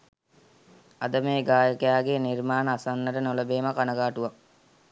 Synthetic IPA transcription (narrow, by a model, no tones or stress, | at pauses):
ad̪əmeːɡaːjəkejaːɡenirmaːnəːsanːəʈənoləbeːmɐkanəɡaːʈuʋak̚